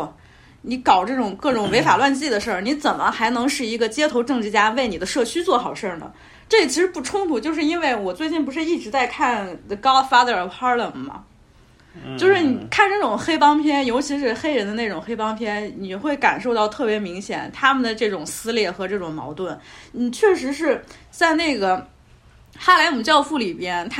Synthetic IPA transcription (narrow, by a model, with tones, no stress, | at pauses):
ni˧˥kɑ˨˩ʊʈ͡ʂɤ˥˩ʈ͡ʂʊ˨˩ŋkɤ˥˩ʈ͡ʂʊ˨˩ŋwe˧˥ɪfa˨˩lwa˥˧nt͡ɕi˥˩d̪ə˩ʂə˞˥˩ni˧˥t͡sə˨˩nmə˦xa˧˥ɪnɤ˧˥ŋʂɻ̩˥˩i˧˥ɡə˧t͡ɕjɛ˥t̪ʰo˧˥ʊʈ͡ʂɤ˥˩ŋʈ͡ʂɻ̩˥˧t͡ɕja˥we˥˩ɪni˨˩d̪ə˦ʂɤ˥˩t͡ɕʰy˥t͡swɔ˥˩xɑ˨˩ʊʂə˞˥˩nə̰˩ | ʈ͡ʂɤ˥˩˨t͡ɕʰi˧˥ʂɻ̩˧˥pu˥˩ʈ͡ʂʰʊ˥ŋt̪ʰu˧˩t͡ɕjo˥˧ʂɻ̩˥˧i˥nwe˥˩ɪwɔ˨˩t͡swe˥˧ɪt͡ɕi˥˩np̬u˧˥ʂɻ̩˧i˥˩ʈ͡ʂɻ̩˧˥t͡sa˥˧ɪkʰa˥˩nkɑ˥ʊfa˥d̪ə˞˨pʰɑ˥lə˨˩ŋmɐ̰˩ | t͡ɕjo˥˧ʊʂɻ̩˥˩ni˨˩kʰa˥˩nʈ͡ʂna˥˩ʈ͡ʂʊ˨˩ŋxe˥ɪpɑ˥ŋpʰjɛ˥njo˧˥ʊt͡ɕʰi˧˥ʂɻ̩˧˥xe˥ɪɻə˧˥nd̪ə˧ne˥˩ʈ͡ʂʊ˨˩ŋxe˥ɪpɑ˥ŋpʰjɛ˥nni˨˩xwe˥˩ɪka̰˨˩nʂo˥˧ʊt̪ɑ˥˧ʊt̪ʰɤ˥˩pjɛ˧˥mi˧˥ŋɕjɛ̰˨˩˦nt̪ʰa˥mə˨nd̪ə˩ʈ͡ʂɤ˥˩ʈ͡ʂʊ˨˩ŋsɹ̩˥ljɛ˥˩xɤ˧˥ʈ͡ʂɤ˥˩ʈ͡ʂʊ˨˩ŋmɑ̰˧˥ʊt̪wə˥˩nni˨˩t͡ɕʰɥɛ˥˩ʂɻ̩˧˥ʂ̬ɻ̩˥˧t͡sa˥˧ɪne˥˩ɪɡə˩ | xa˥la˧˥ɪnu˨˩t͡ɕjɑ˥˧ʊfu˥˩li˨˩pjɛ˥nt̪ʰ